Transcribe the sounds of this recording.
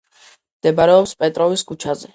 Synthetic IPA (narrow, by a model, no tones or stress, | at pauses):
md̪̥ɛbaɾɛɔpspʼɛt̪ʼɾɔviskʰut͡ʃʰazɛ